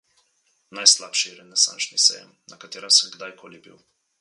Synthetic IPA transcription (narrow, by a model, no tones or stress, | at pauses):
najslapʃiɛɾɛnɛsa̰nt͡ʃnisɛ̰jɛ̰ | nɐkat̪eːɾasəmɡd̪ajkʰoːlibḭw